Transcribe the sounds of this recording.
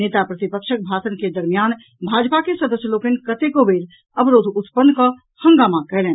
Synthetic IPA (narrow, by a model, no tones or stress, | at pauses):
neːt̪apɾət̪ipəkʃək̚bʱasənked̪əɾmijan | bʱad͡ʒpakesəd̪əsjəloːkenkət̪ekobeːɾ | əbɾoːd̪ʱʊt̪pənːkə | hə̃ŋɡaːmakɛɦleːn